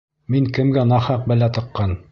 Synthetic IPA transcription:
miŋkɘ̆mɡænɑχɑq̚bæ̆læt̪ɤ̆qːɑn

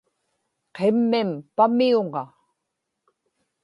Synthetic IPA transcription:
qʰemːɪmpamiuŋɑ

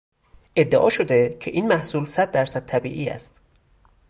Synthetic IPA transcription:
ʔe̞d̪ːeʔɒ̰ːʃo̞d̪e̞cʰe̞ʔiːnmæhsuːlsæd̪̚ːæɾsæd̪̚t̪ʰæbḭːʔiːæ̰st̪

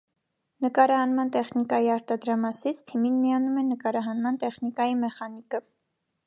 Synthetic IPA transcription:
nəkɑɾɑhɑnmɑnt̪ɛχnikɑjiɑɾt̪ɑd̪ɾɑmɑsit͡sʰt̪ʰiminmijɑnumɛnəkɑɾɑɦɑnmɑnt̪ɛχnikɑjimɛχɑnikə

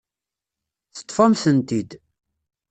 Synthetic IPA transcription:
θə̥t̪ˤːfɑmsənt̪id̪

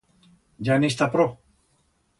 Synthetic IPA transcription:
d͡ʒanis̬t̪apɾo

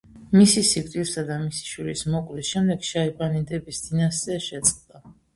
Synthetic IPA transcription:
misisikʰʼt̪ʼiɾsad̪amisi̥ʃwiɾismɔkʼlisʃɛmd̪ɛɡ̥ʃaibanid̪ɛbisd̪inasɛʃɛt̪sʼqʼd̪a

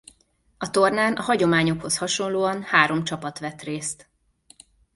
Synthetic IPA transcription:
ɒt̪o̞rnaːnɒɦɒɟo̞maːɲo̞kho̞shɒʃo̞nloːɒnhaːɾo̞mt͡ʃɒpɒt̪ʋɛt̪reːst̪

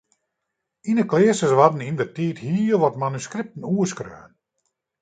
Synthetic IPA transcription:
inəklɪəsəsʋadn̩indətiːthiːʋɔtmanyskɾɪp̚tn̩uəskrø̰ːən

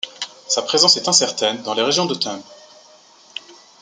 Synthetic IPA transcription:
sapχezɑ̃sɛt̪ɛ̃sɛʁt̪ɛnd̪ɑ̃leʁeʒjɔ̃d̪ət̪ʰɛ̃b

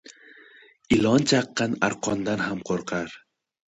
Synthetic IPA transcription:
ɪlˠɒnt͡ʃʰaqːɑnaɾqʰɒnd̪anhamqʰoɾqʰaɾ

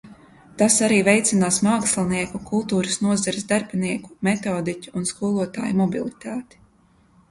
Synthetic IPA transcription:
t̪asaɾiːvɛjt̪sinaːsmaːkslˠniɛkukulˠt̪uːɾəsnuɔzaɾsd̪aɾbʲniɛku̥mɛt̪ɔːd̪icʲuːnskuɔlˠuɔt̪a̰ːjumɔbilˠit̪aːt̪i̥

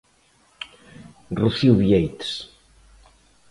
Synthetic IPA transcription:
ruθiwβiejt̪s

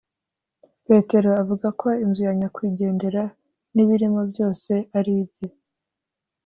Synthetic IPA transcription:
pe̞te̞ɾo̞avuɡakʰo̞inzujaɲakwiːɟe̞ːnde̞ɾa | niβiɾimo̞bjo̞ːse̞aɾiːbɟe

